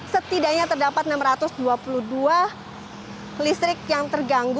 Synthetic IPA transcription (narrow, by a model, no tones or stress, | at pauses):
sət̪idaɲat̪ərdapat̪̚namɾat̪ʊsduapuluhdua | list̪ɾɪk̚jaŋt̪ərɡaŋɡ